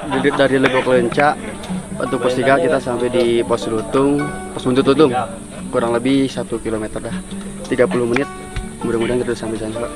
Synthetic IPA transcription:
daɾiləbiɔkləɲt͡ʃaʔ | a̰t̪uk̚pɔst̪iɡakit̪asampɛjdipɔslut̪ʊŋpɔsbunt̪ʊt̪ut̪ʊŋ | kuɾaŋləbɪhsat̪ukilomɛt̪ərdah | t̪iɡapuluhmənɪt̪̚ | mudaŋudaŋt̪it̪udsampɛjisaɲula

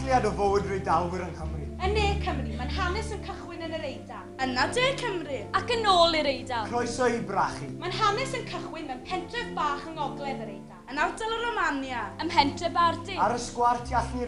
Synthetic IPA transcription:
lˠjadɔvowdrejdalwɪɾənkəmrɨənːeːkʰəmrɨmanhanɛsənkʰəχwɪnənəɾejda | ənadeːkʰəmrɨakənoːlˠiɾejdakʰrɔjsɔibraχimanhanɛsənkʰəχwɪnmɛnpʰɛntʰrɛvbaːχəŋɔɡlˠɛðəɾejdaənawdəlˠəɾɔmanjaəmpɛntʰrɛbardiaɾəskwartʰjaɬni

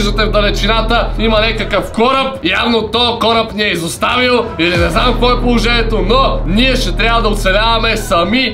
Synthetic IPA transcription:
ʒd̪ɐt̪ɛvd̪ɐlɛt͡ʃinat̪əimɐnɛkəkəfkɔɾɐp̚ja̰vnot̪ɔkɔɾɐpniɛizost̪avilˠilinɛznamkoɔɛpolˠoʒɛnʲiɛt̪onɔniɛʃɛt̪ɾʲabvəd̪ɐot̪sɛlʲavɐmɛsɐmi

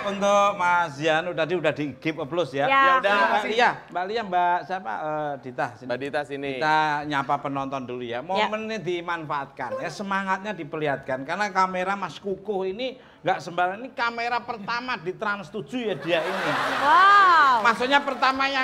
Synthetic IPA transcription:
unt̪ʊʔmas̬ianut̪adiudahdiɡ̥ɪp̚əblʊsjaadabaliambaʔliambaʔsiapa̰ʔəd̥it̪asiadit̪asiniit̪aɲapapənɔnt̪ɔndulujamomənadimanfaʔat̪̚kanjasəmaŋat̪̚ɲadipəliɦat̪̚kankarnakameɾamaskukʊhini | ŋɡaʔsəmbaɾaŋinikameɾapərt̪amadit̪ɾanst̪u̥d͡ʒ̥ujadiainiwamasoʔɲapərt̪amaja

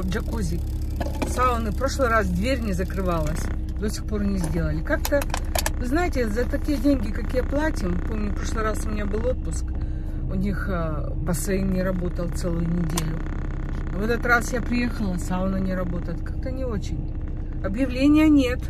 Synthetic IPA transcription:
d͡ʒɐkuzʲɪ | saʊnɨpɾo̞ʂlˠɨjɾasd̪vʲeɾʲnʲɪzəkɾɨvalˠəsʲ | d̪osʲɪ̥xpo̞ɾɐnʲizʲdʲe̞lˠəlʲɪkak̚t̪ə | vɨznajɪtʲɪzət̪ɐkʲijədʲenʲɡʲɪkɐkʲijəplˠatʲɪmpo̞mnʲʊpɾo̞ʂlˠɨjɾasʊmʲɪnʲabɨlˠo̞t̪̚pʊsk | ʊnʲix | pəsvɐimnʲɪɾɐbo̞t̪əlˠt̪sɛlˠʊjʊnʲɪdʲelʲʊ | vɛt̪ət̪rasjapɾʲɪjexəlˠəsaʊnɨnʲɪɾɐbo̞t̪əjɪt̪kak̚t̪ənʲɪo̞t͡ɕɪnʲ | ɐbjɪvlʲenʲɪjənʲet̪

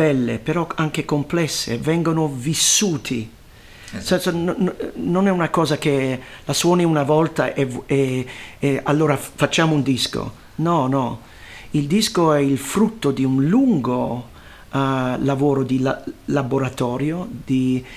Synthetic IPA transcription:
b̥ɛlːḛpeɾɔaŋk̟ekomplɛsːḛvɛŋɡonovisːuːt̪ʰi | ssɔ | nonɛunakɔːzak̟elaswɔːniunavɔlt̪aʔee | alːoːɾafat͡ʃːaːmound̪isko̰ | nɔnɔ | ild̪iskoɛilfɾut̪ːod̪iunluŋɡo | lavoːɾod̪ilalaboɾat̪ɔːɾjod̪̥i

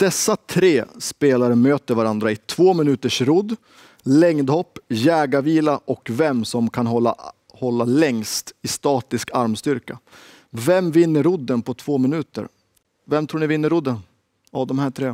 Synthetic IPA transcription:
d̪̥ɛsːat̪ʰɾeːspeːlaɾəmøːt̪əɾvaɾand̪ɾaɪt̪ʰv̥oːmɪnʉ̟ːt̪əʂɾʊd̪ | lɛŋd̪hɔpːjɛːɡaviːlaʔɔkvɛmsɔmkʰanɦɔa | hɔlːalɛŋst̪ɪst̪ɑːt̪ɪskaɾmst̪ʏɾka | vɛmvɪnːəɾʊd̪ːənpʰɔt̪ʰv̥oːmɪnʉ̟ːt̪ə̰ɾ | vɛmt̪ʰɾuːɳɪvɪnːəɾʊd̪ːən | avd̪ɔmhæːʈʰɾeː

